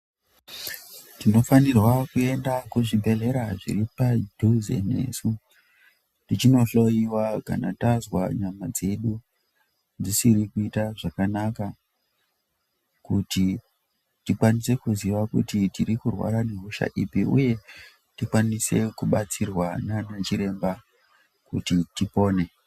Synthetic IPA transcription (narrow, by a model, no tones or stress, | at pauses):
tino̞fanirwakue̞ndakuʐibʱe̞ɮe̞ɾaʐḭɾipadʱuzḛne̞̰ːsu | tit͡ʃino̞ɬo̞jiwaka̰na̰tazwa̰ɲamad͡ze̞ɗu | nd͡zisiɾikuitaʐakanaka | kuti | tikwanise̞kuziʋakutitiɾikurwa̰ɾane̞ɦuʃa̰ʔḭpiʔṵje̞ | tikwanise̞̰kuɓat͡sirwananat͡ʃiɾe̞mba | kutitipo̞ːne̞